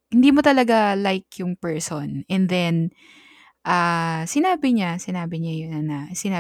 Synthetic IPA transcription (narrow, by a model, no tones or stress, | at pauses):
hɪnd̪iːmot̪ɐlɐɡalajkjʊŋpɛɹsonʔɛnd̪ɛn | ʔasɪnaːbɪɲasɪnaːbɪɲajʊnɐsɪnaː